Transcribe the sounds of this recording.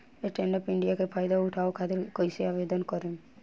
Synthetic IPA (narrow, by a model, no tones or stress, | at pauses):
eʈenɖɔpɪɳɖijakepʰajd̪auʈʰaokʰat̪eɾkɔjseabed̪ɔnkɔɾe